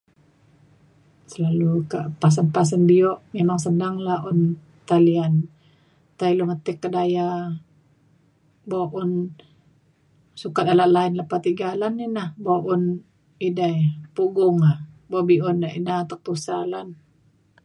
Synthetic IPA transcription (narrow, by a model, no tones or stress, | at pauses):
səlalukaʔpas̬ənpas̬ənbiɔʔmemaŋsənaŋlahun | t̪alian | t̪ailumət̪ɛkːədaja | baʔun | sukat̪̚alaʔlaɪnlapat̪iɡalaninahbaʔun | idajpuɡʊŋa | bobiunaʔinat̪ək̚t̪usalan